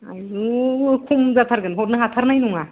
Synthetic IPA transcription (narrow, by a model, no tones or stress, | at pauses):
ajzukʰumzatʰaɾɡɯnɦɔɾnɯɦatʰaɾnajnuŋa